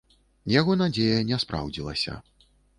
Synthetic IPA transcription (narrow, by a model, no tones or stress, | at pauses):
jaɣɔnad͡zʲejɐnʲɛspɾa̰wd͡zʲilˠɐ̰sʲɐ̰